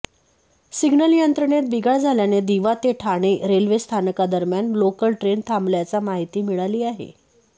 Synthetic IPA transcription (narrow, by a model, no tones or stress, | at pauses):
siɡnəljənt̪ɾəɳet̪̚biɡʱaɭd͡zʱaljaned̪iʋat̪eʈʰaɽ̃eɾelʋest̪ʰanəkad̪əɾmjanlokəlʈɾent̪ʰambljat͡samaɦit̪iːmiɭaliːaɦḛ